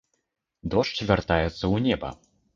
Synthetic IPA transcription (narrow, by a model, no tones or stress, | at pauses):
d̪ɔʂt͡ʃvʲart̪ajɛt̪sːɐwnʲɛbɐ̰